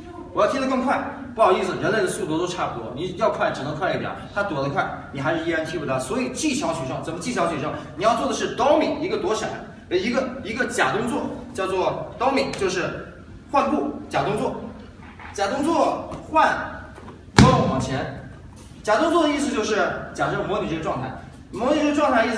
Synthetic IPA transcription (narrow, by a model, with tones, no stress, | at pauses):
wjt̪ʰi˥d̪ə˧kɤ˥˧ŋkʰwa˥˩ɪpu˥˩jɑ˨˩ʊ˥i˥˩sɹ̩˩ɻə˧˥nle˥˩ɪd̪ə˩su˥˩t̪wɔ˧˥t̪o˥ʊʈ͡ʂʰa˥˩wɔ̰˧˥ni˧˥jɑ˥˧ʊkʰwa˥˩ɪʈ͡ʂɻ̩˨˩nɤ˧˥ŋkʰwa˥˧ɪi˥˩jɛ̰˨˩˦t̪ʰa˥t̪wɔ˨˩d̪ə˧kʰwa˥˩ɪni˨˩xa˧ɪʂɻ̩˥˧˥a˥˧nt͡ɕ̪ʰi˥˩u˥˩t̪ʰa˧˥˩swɔ˧˥i˨˩t͡ɕi˥˩ɕjɑ˧˥ʊɕʰɥɛ˨˩ʂɤ˥˩ŋt͡sə˨˩mə˦t͡ɕi˥˩ɕ̬jɑ˧˥ʊɕɥɛ˨˩ʂɤ˥˩ŋni˨˩jɑ˥˧ʊt͡swɔ˥˩d̪ə˩ʂ̬ɻ̩˥˩t̪ɑ˥ʊmi˨˩˦ŋi˧˥ɡə˧t̪wɔ˧˥ʂa̰˨˩˦n | ə˧˩i˧˥ɡə˧i˧˥ɡə˧t͡ɕja˨˩t̪ʊ˥ŋt͡swɔ˥˩t͡ɕjɑ˥˧ʊt͡swɔ˥˩t̪ɑ˥ʊmi˨˩˦t͡ɕjo˥˧ʊʂɻ̩˥˩ | xwa˥˧npu˥˩t͡ɕja˨˩t̪ʊ˥ŋt͡swɔ˥˩ | t͡ɕja˨˩t̪ʊ˥ŋt͡swɔ˥˩xwa˥˧n | ɔ˥˩wɑ˨˩ŋt͡ɕʰjɛ˧˥n | t͡ɕja˨˩t̪ʊ˥ŋt͡swɔ˥˩d̪ə˧i˥˩s̬ɹ̩˧t͡ɕjo˥˧ʊʂ̬ɻ̩˥˩t͡ɕja˨˩ʈ͡ʂɤ˥˩mɔ˧˥ny˨˩ʈ͡ʂʈ͡ʂwɑ˥˧ŋt̪ʰa˥˩ɪ | mwɔ˧˥ny˨˩ʈ͡ʂʈ͡ʂwɑ˥˧t̪ʰa˥˩ə˧i˥˩